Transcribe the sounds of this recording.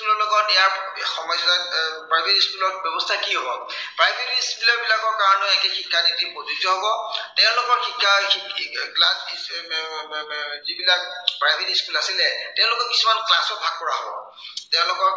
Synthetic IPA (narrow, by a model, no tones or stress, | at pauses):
kulɔlɔɡɔijaɹxɔmɔjsɔapɹajbʱetiskulɔtbjɔbɔstʰakiɦobɔpɹajbʱetiiskulɔɹbilakɔɹkaɹɔnɔɛkɛxʰikʰːanitipɔzuzɔɦobɔtɛʊ̃lʊkɔɹxikʰːaiklasi | zibilak̚pɹajbʱetiskulasilɛtɛʊ̃lʊkɔɹki̥sumanklasɔt̚bʱaɡ̚pɔɹaɦobɔ̰ | tɛʊ̃lʊkɔ